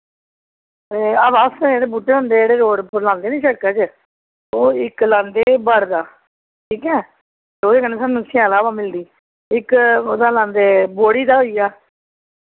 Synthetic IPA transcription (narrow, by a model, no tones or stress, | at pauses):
eaːʋaːst̪əeːɽeːbuːʈːeːɦõnd̪eːeːɽeːɾoːɽpəɾlãːnd̪eːnĩːʃəɽkaːt͡ʃ | oːɪklãːnd̪eːbəɽd̪aː | ʈʰiːkɛː | d̪oːd̪eːkəneːsaːnũːsʰɪãːlaːʋaːmɪld̪iː | ɪkoːd̪aːlãːnd̪eːboːɽiːd̪aːɦoːiːjaː